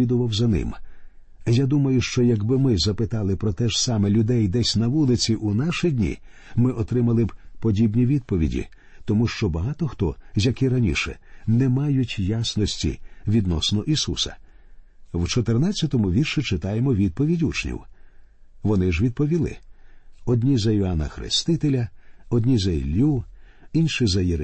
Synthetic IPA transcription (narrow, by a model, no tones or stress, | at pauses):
id̪ʊʋɐwzɐnɪ̰m | jad̪umɐjʊʃt͡ʃɔjɐɡbɪmɪzɐpɪt̪ɑlˠɪpɾɔt̪ɛʒsɑmɛlʲʊd̪ɛjd̪ɛsʲnɐʋulˠɪt͡sʲiʔunaʃidʲnʲḭ | mɪʔɔt̪ɾɪmɐlˠɪbpɔdʲibnʲiʋʲid̪̚pɔʋʲḭdʲḭ | t̪ɔmuʃt͡ʃɔbɐɦɑt̪ɔxt̪ɔzʲjɐkɪɾɐnʲḭʃɛ̰nɛmɑjʊtʲjasnɔsʲtʲḭʋʲid̪nɔsnɔʔisusɐ̰ | wt͡ʃɔt̪ernat͡sʲːɐt̪ɔmʊʋʲirʃit͡ʃɪt̪ɑjemɔʋʲid̪̚pɔʋʲidʲut͡ʃnʲḭw | ʋɔnɪʒʋʲid̪̚pɔʋʲilˠɪ̰ | ɔd̪ʲnʲizɐjɔanɐ̰xɾɪ̰st̪ɪt̪elʲɐɔdʲnʲizɐḭlʲːuinʃizɐjiɾ